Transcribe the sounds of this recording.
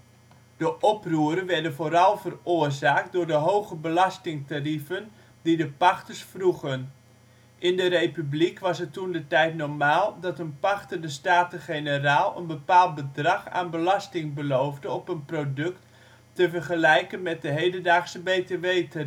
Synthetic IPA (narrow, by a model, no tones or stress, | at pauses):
d̥əʔɔpruːəɾənʋɛɹdənvoːɾɑlˠvərʊːrzaːk̚t̚dʊːɹdəɦowɣəbəlɑstɪŋtarifən | didəpɑxtəɹsfruɣən | ʔɪndəɾejpyblikʋɑsətːundətɛjtnɔɹmaːlˠdɑtənpɑxtədəstaːtəχejnəraːlˠə̰nbəpaːlˠt̚bədrɑχa̰ːnbəlɑstɪŋbəlowvdəɔpənprodɵktː | əvərχəlɛjkənmɛt̚dəɦejdəndaːχsəbeteʋejta